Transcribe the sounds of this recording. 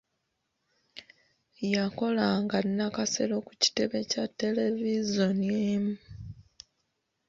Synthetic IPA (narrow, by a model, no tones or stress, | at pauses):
jako̞laŋɡanːakase̞̰lo̞ku̥ci̥te̞βe̞catːe̞le̞vizonjemu